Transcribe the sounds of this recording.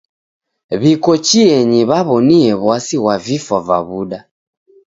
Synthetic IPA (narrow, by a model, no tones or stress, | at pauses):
βikɔt͡ʃiɛɲiβaβɔniɛβwasiwavifava̰βuɗa